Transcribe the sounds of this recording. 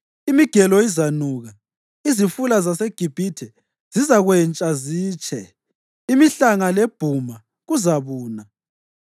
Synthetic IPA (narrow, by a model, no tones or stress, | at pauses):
imiɡ̥ʱɛlɔizanuɣa | izifulazaseɡ̥ʱib̥ʱitʰɛ | z̥izaɣwɛnt͡ʃʼaziːt͡ʃʰʼɛ | imiɬaŋaleb̥ʱuma | ɣuzaβuːna